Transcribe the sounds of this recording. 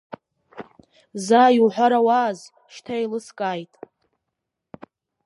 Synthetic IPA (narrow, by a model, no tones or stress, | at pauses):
zaːjwħʷaɾawaːz | ʃtʰajlɨskʼaːjtʼ